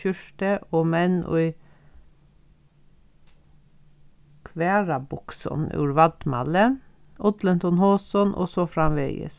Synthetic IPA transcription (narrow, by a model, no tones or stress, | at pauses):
ʏʃʈəʔoːmɛnʔɔ̰ɪ | kʰʋæːɹɑbʊksɔ̰nʉ̰ːɹʋɑd̪mɑ̰lə | ʔɔd̪lənt̪ʰɔnhoːsɔnʔo̰sɔfɾɑmʋḛːɡə̰s